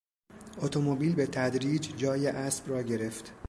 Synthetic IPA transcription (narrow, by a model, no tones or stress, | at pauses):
ʔot̪ʰo̞mo̞biːlbe̞t̪ʰæd̪ɾiːd͡ʒd͡ʒɒːjeʔæsb̥rɒːɟe̞ɾe̞ft̪